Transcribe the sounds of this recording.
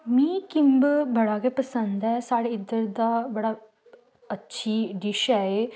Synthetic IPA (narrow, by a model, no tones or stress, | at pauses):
mĩːkɪmbbəɽaːkepəsə̃nd̪ɛːsaːɽeɪd̪əɾd̪aːbəɽaː | ətːʃʰiːɖɪʃɛe